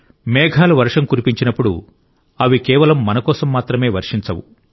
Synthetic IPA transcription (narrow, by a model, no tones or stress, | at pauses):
mɛːɡʱaːluʋɐɾʂɐmkuɾipiɲt͡ʃinɐpːuɽṵ | ɐʋikɛːʋɐlɐmːɐnɐkɔːsɐmːaːt̪ɾɐme̞ːʋɐɾʂiɲt͡ʃɐwu